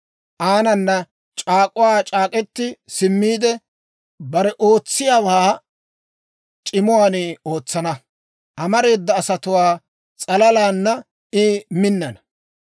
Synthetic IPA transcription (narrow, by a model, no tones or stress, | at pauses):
ʔaːnɐnːɐ | t͡ʃʼaːkʼʊwaːt͡ʃʼaːkʼɛt̪ːɪsɪmːiːd̪ɛ | bɐɾɛʔo̞ːt͡sːɪjaːwaː | t͡ʃʼɪmʊwaːnɪo̞ːt͡sːɐnɐ | ʔɐmɐɾe̞ːd̪ːɐːsɐt̪ʊwaː | t͡sʼɐlɐlaːnːɐ | ɪmɪnːɐnɐ